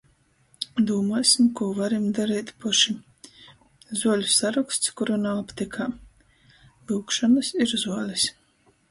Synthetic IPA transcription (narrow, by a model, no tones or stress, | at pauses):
d̪uɔmuɔsʲimkuɔvaɾimd̪aɾiːt̪ʲpɔʃi | zuɔlʲusaɾukst̪skuɾunaɔpt̪ʲikʰaː | ɨwkʃɔnɨsiɾzuɔlʲis